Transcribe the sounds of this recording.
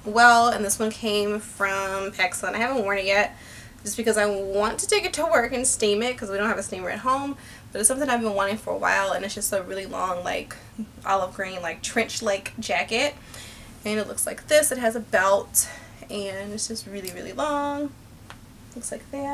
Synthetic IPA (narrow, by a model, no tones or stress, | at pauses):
wɛlˠə̃nðɪswʌ̃nkʰẽɪ̃ɱfɹʌ̃mpʰɛksə̃naɪhævə̃n̩ʔwɜ̃˞ñɨt̚jɛt̚ | d̥ʒ̥ʌsb̥ɨkʌzaɪwɑ̃ntʰɨtʰeɪkɨtʰəwɜ˞kɨ̃nstĩmɪt̚kʰʌzwiɾõʊ̃nthɨvɨstĩmə˞ɨ̰t̚ɦõʊ̃m | b̥ʌɾðɨsʌ̃mθɪ̃ŋaɪvbɨ̃nwɑ̃ɾ̃ɪ̃ŋfə˞ə̰wa̰ɪlˠə̃nɨtsd̥ʒ̥ʌstsoɹɪlˠilɔ̰̃ŋla̰ɪk | ʔɑ̰lˠʌvɡɹĩɪ̃nlaɪk̚tʰɹ̥ɪ̃nt͡ʃlaɪkd̥ʒ̥ækɨt̚ | ɨ̃nɨtˡlʊ̰kslaɪk̚ðɪsɨt̚ɦɨzɨbɛlˠt | ɨ̃nɨtsd̥ʒ̥ʌst̚ɹɪlˠiɹɪ̰lˠḭlɔ̃ŋ | tlʊkslaɪk̚ðæt̚